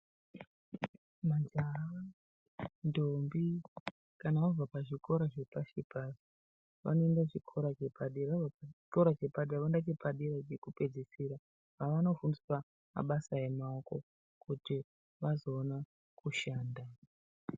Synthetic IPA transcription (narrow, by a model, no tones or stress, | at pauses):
mad͡ʒaɦa | ndombi | kanaʋavapaʐiko̞ɾaʐepaʃipaso | ʋa̰noe̞ndaʐikʰo̞ɾat͡ʃepʰaɗiʋavaiko̞ɾat͡ʃepaɗiaʋandat͡ʃipaɗiɾat͡ʃekupe̞d͡zisiɾa | paʋano̞fundiswa | ma̰ɓasae̞maoko̞̰ | kuti | ʋazo̞ːna | kʰuʃaːnda